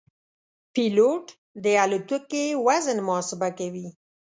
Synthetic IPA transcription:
piloʈ | d̪əalut̪ukewazənmʊhɑsɪbakawi

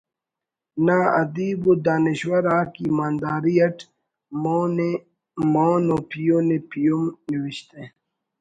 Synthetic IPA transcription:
naːɐ̰d̪iːbud̪aːniɕwɐɾaːkiːmaːnd̪aːɾiɐʈː | moːnopijonepijomniwiɕt̪e

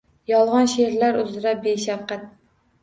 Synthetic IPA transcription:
jɒlˠʁɑnʃeɾlaɾʊzɪɾabeʃaɾqat̪̚

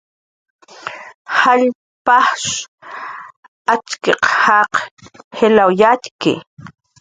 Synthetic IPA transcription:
haʎ | paχʂ | at͡ʃkeqhɑqhelawjatkɪ̰

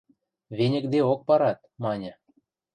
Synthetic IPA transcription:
βenʲə̆kd̪eok̚pɑɾɑt̪̚mɑnʲɤ̆

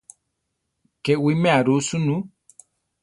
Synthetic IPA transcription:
kɛwimɛaɾusunu

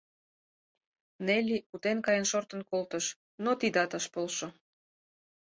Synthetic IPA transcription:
nelʲiut̪enkɑjənʃort̪ə̆nkolt̪əʃ | not̪id̪ɑt̪ɑʃpolʃo

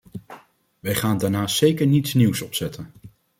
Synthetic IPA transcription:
ʋɛjχaːndaɹnaːsejkəɹnitsniwsɔpsɛtən

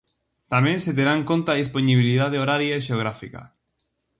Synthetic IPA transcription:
t̪amẽnset̪̬eɾaŋkont̪aðisponiβ̞iliðaðeoɾaɾjaeʃ̬eoɣ̞ɾafikɐ̰

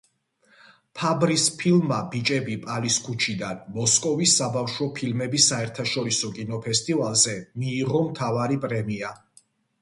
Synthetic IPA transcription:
pʰabɾispʰilmabit͡ʃʼɛbipʼaliskʰut͡ʃʰid̪anmɔskʼɔvisːabafʃwɔpʰilmɛbisaɛɾt̪ʰaʃɔɾisɔkʼinɔpʰɛst̪ʼivalˠzɛmiːʁɔmt̪ʰavaɾipʼɾɛmia

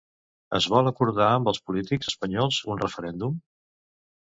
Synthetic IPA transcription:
ə̰zβɔlˠəkuɾðaəmbəlˠspulit̪ikɡz̥əspəɲɔlˠzunrəfəɾɛnd̪um

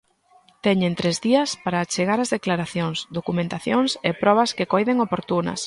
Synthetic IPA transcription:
t̪ɛɲẽnt̪ɾezðiɐspaɾaːt͡ʃeɣaɾɐzðeklaɾaθjoŋsd̪okumẽnt̪aθjoŋsepɾɔβɐskɪkojðeŋopoɾt̪unɐ̰s

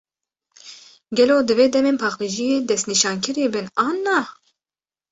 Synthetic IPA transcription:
ɡʲɛloːd̪ɨveːd̪ɛmeːnpʰɑːxiʒijeːd̪ɛst̪niʃɑːŋkʰɨɾibɨnɑːnːɑ

